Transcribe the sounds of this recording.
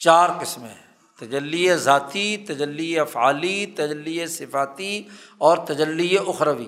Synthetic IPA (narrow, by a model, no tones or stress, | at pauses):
t͡ʃaːɾkɪsmḛ̃ | t̪ɐd͡ʒəlːiezaːt̪it̪ɐd͡ʒəlːiefaːlit̪ɐd͡ʒəlːiesɪfaːt̪i | ɔːɾt̪ɐd͡ʒəlːieʔʊxɾəʋḭː